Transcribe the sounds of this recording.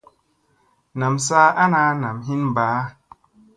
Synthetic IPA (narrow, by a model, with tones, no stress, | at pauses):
na˨msaː˦ʔa˦naː˨˦na˨mɦi˦nbaː˨˦